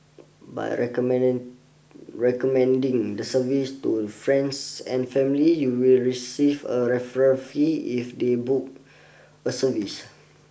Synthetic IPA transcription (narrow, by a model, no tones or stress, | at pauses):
ba̰jɹɛk | ɹɛkɔmɛ̃ndĩŋdəsəvistufɹɛ̃nsɛ̰̃nfɛ̃mlijuwilɹisivəɹɛfəɹə̃nfiifdebuk̚ | əsəvis